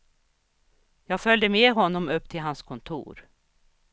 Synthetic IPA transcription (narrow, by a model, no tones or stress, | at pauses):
jɑːɡfœld̪əmeːɦɔnːɔmɵpːt̪ʰɪlɦanskʰɔnt̪ʰṵːɾ